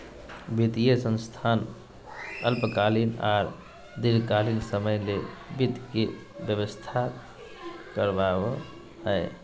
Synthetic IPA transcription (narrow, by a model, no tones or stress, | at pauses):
bʱit̪ijəsə̃nst̪ʰan | əlpəkalinaɾ | d̪iɾkalinsəməjlebit̪ke | bjəbəst̪ʰa | kəɾbabo | ɦəj